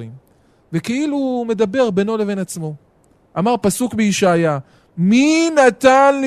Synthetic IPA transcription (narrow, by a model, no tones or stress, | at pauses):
im | vekeilume̞d̪abe̞ʁbeno̞le̞ve̞nat͡smo̞ | amaʁpasukbeiʃaja | minat̪anl